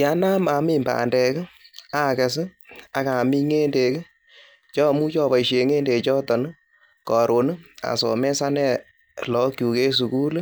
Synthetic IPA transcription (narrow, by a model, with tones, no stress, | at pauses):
ja˨˦na˦ma˨˦mɪ˦˨mba̰ː˨ndɛ˨kɪ˦a˦˨kɛ˨s̬ɪ˦a˨ka˨mi˦ŋe˦nde˨kɪ˦ | t͡ʃɔ˦˨mu˦t͡ʃɔ˧˨βa˨i˨ʃe˨ŋeː˦nde˨t͡ʃɔ˦tɔ˨n˦ | kɔ˨ɾo˨n˦a̰˨sɔ̰˨mɛ˦sa˦nɛ˦ | lɔ˨˦kju˨ke˦s̬u˨ku˦l